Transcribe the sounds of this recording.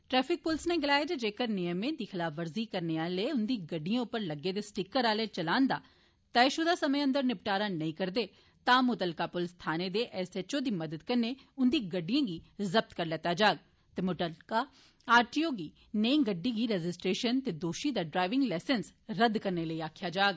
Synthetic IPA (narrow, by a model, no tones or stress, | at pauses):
ʈɾɛːpʰɪk̚pʊlsneːɡɪlaːet̪ed͡ʒeːkəɾnɪjəmẽːd̪iːxʰɪlaːfʰʋəɾziːkəɾneːaːleːʊnd̪iːɡəɖijãːʊpːəɾləɡːeːd̪eːsʈɪkəɾaːleːt͡ʃəlãːnd̪aː | t̪aɪʃuːd̪aːsəmə̃ə̃nd̪əɾnɪp̚ʈaːɾaːnəĩːkəɾd̪eː | t̪ãːmʊt̪əlkaːpʊlst̪ʰaːneːd̪eːʔɛsɛt͡ʃoːd̪iːməd̪əd̪kəɾneːʊnd̪iːɡəɖːijãːɡiːzəb̚t̪kəɾlɛːt̪aːd͡ʒaːɡ̚ | t̪eːmʊʈəlkaː | aːɾʈiːoːɡiː | neĩːŋɡəɖːiːɡiːɾɛd͡ʒɪsʈɾeːʃənt̪eːd̪oːʃiːd̪aːɖɾaːɪʋɪ̃ŋɡlɛːsənsɾəd̪kəɾneːləiːaːkʰjaːd͡ʒaːɡ